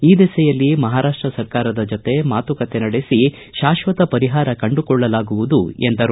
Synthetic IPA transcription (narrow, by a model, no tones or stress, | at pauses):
iːd̪isɛjɐlːimɐɦaːɾaːʂʈɾɐsɐɾkaːɾɐd̪ɐd͡ʒot̪e̞maːt̪ukɐt̪enɐɽe̞si | ʃaːʃʋɐt̪ɐpɐɾiɦaːɾɐkɐɳɖukɔɭːɐlaːɡuʋud̪uend̪ɐɾ